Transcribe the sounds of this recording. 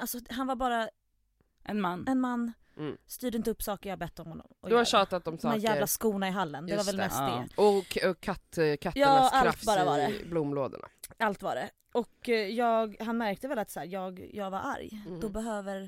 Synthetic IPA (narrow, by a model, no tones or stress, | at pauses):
alsɔɦanvaɾbɑːɾa | ɛnanɛnmanː | st̪yːɖəɪnt̪əɵpːsɑːkəɾjahabɛt̪ːɔmhɔnːɔ̰mɔd̪haʃɑːt̪at̪d̪ɔmsmɛnjæːvlaskuːnaɪɦalːənd̪ɛvaɾvɛlmɛst̪̚d̪ḛɔɔkʰːat̪ːkʰat̪jɑːalt̪bɑːɾavaɾɛblumloːd̪ə̰ɳa̰alt̪va̰ːɖɛ | ɔkjɑːɡɦanmæɾk̚t̪əvɛlat̪sæːɾjɑːɡjɑːɡvaɾʔa̰ɾjd̪ɔbɛɦøːvəɾ